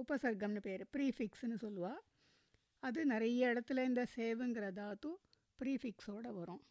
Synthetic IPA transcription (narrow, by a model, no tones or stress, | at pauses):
ʊpɐsɐɾɡɐmnɐpeːɾpɾiːfɪksnːɯsɔlːɯʋaː | ɐðɯnɪɾɐjɐɪɽɐt̪ːɪlɐɾɪnd̪ɐseːʋɯŋɡɪɾɐðaːɐðũ | pɪɾiːfɪksoːɽɐʋɐɾõː